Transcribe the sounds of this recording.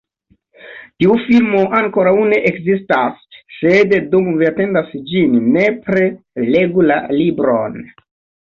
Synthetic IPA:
tiufilmoʔaŋko̞ɾawuneʔekzistasːeddumviate̞ndasd͡ʒinːepɾe | le̞ɡula̰libɾon

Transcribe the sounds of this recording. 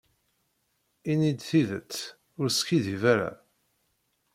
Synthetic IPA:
inid̪θiðət͡sː | ʊɾskiðivæɾa̰

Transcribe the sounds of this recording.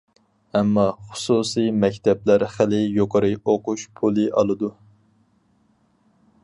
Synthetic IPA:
ɛmːɑχʊ̥susimɛkʲt̪ʰɛplæɾχɪlɪjoqəɾɨoquʃpʰulˠɨʔɑlˠɨd̪u

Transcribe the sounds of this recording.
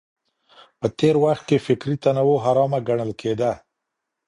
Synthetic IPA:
pət̪eɾwaxt̪̚kefɪkɾit̪anawoɦaɾɑmaɡaɳ̃əlkʰed̪a

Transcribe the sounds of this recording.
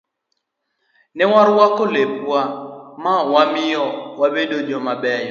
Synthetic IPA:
nɛwaɾwakolepwamawamɪjɔwabedod͡ʒomabɛj

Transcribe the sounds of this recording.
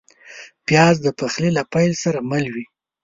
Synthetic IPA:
pjɑzd̪əpaxlelapajlsaɾamalwi

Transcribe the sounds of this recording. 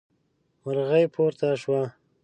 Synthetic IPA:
waɾɣajpʰoɾt̪aʃwa

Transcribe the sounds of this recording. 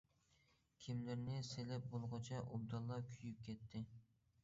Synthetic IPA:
kʲʰimlɪɾnɪselɛp̚bolˠʁɑt͡ʃʰɛʔub̚d̪ɑlˠːɑkʲʰyjyp̚kʲʰɛt̪ʰːɪ

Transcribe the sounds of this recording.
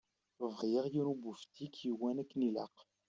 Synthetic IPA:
vʁjeʁjinubuft̪ikjiwænækːnilɑ̰q

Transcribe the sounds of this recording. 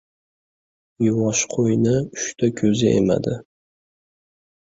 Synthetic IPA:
jʊwɒʃqʰojnɪʊʃt̪ʰakʲʰɵzɪʔḛma̰d̪ɪ

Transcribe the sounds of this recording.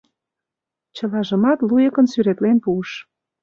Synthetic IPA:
t͡ɕə̆lɑʒə̆mɑt̪lujə̆kə̆nsyɾet̪lenpuəʃ

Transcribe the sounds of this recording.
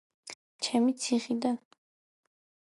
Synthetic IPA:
t͡ʃʰɛmit̪sʰiχid̪an

